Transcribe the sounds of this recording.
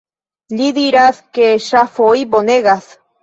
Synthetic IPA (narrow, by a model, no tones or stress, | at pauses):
liðiɾaθkeʃafoip̬oneɣaθ